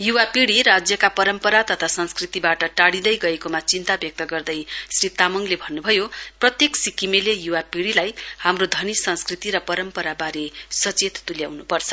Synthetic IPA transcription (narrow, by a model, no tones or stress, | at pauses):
juwapiɽiɾad͡zjʌkapʌɾʌmpʌɾat̪ʌt̪ʰasʌ̃nskrit̪ibaʈʌʈaɽid̪ʌjɡʌekomat͡sint̪abjʌk̚t̪ʌɡʌrd̪ʌjsrit̪amʌŋlebʱʌnːubʱʌjoprʌt̪jeksikimelejuwapiɽilajhamrod̪ʱʌnisʌnskrit̪iɾʌpʌɾʌmpʌɾabaɾesʌt͡set̪t̪uljawnupʌrt͡sʰʌ̥